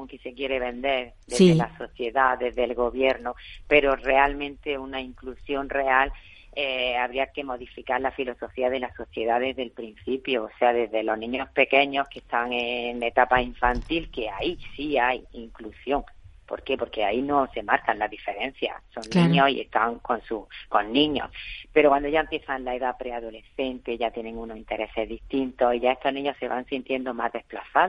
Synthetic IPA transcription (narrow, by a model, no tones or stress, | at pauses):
oŋkese̞kje̞ɾe̞β̞ẽ̞nd̪e̞ɾ | d̪eðelaso̞θje̞ðaðe̞zðe̞lɣo̞βje̞ɾnope̞ɾo̞re̞almẽnt̪e̞unaiŋklusjo̞nre̞al | eaβɾiake̞mo̞ðifikaɾlafilo̞so̞fiaðe̞laso̞θje̞ðaðe̞zðe̞lpɾin̟θipjoːse̞aðe̞zðe̞lo̞ɦnĩɲo̞hpe̞ke̞ɲo̞hke̞st̪aŋeŋet̪apaiɱfant̪ilke̞aisiajiŋklusjo̞ŋpo̞̰ɾke̞po̞ɾke̞aino̞se̞maɾkanlaðife̞ɾẽ̞n̟θja̰so̞nnĩɲosḭḛhst̪aŋko̞nsuko̞nːĩɲo̞̰spe̞ɾokwand̪oʝaempje̞θanlae̞ðapɾe̞aðo̞le̞θe̞nt̪e̞ʝat̪je̞nẽ̞ŋuno̞sint̪e̞ɾe̞se̞zðist̪int̪o̞siʝae̞st̪o̞ɦnĩɲo̞se̞βaŋsint̪je̞nd̪o̞mazðe̞hplaθað